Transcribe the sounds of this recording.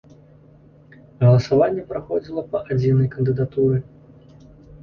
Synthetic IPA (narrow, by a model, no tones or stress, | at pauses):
ɣɐlˠɐsavanʲːɛpɾaxɔd͡zʲilˠɐpɐʔad͡zʲinɐjkənd̪ɨd̪at̪uɾɨ